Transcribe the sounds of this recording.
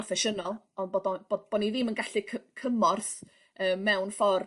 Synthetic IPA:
ɔfɛʃənɔlˠ | ɔnboːdɔb̥odb̥ɔniðɪmənɡaɬɨkʰəkʰəmɔrθ | əːmːɛwnfɔr

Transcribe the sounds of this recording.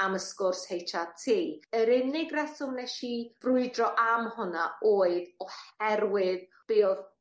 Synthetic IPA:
aməskʊrshejtʰatʰiːəɾɪnɪɡrɛsʊmnɛʃiv̥rʊɨdrɔʔamhʊnaoːɨðɔhɛɾwɪð | b̥ɪːɔð

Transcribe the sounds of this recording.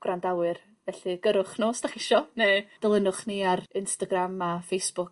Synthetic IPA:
ɡ̥randawɨr | vɛɬɨɡ̥əɾʊχnoːsd̥aχɪʃɔneːd̥əlˠənʊχniarɪnstaɡramafejsb̥ʊk̚

